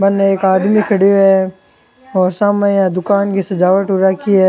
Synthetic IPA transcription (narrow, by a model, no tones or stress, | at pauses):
mɐnːeeːkaːd̪mikʰɐɽijoɦɛ | ɔːɾsaːmaãd̪ʊkaːnkisɐd͡ʒaːʋəʈʊɾakiɛː